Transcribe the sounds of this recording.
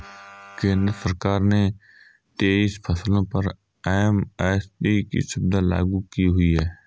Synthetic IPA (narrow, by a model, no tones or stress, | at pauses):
kẽːnd̪ɾəsəɾkaːɾne | t̪eːispʰɐslõpɐɾ | ɛɦmɛːsʈiːkḭʃɪbd̪ala̰ːɡukiɦʊiɦɛː